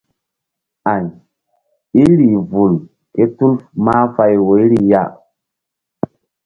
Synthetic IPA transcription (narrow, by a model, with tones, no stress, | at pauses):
a˨ɲ | i˦ɾi˨vu˨l | ke˦tu˦lfma˦fa˦jwo˨˦ɾi˦ja̰˦˨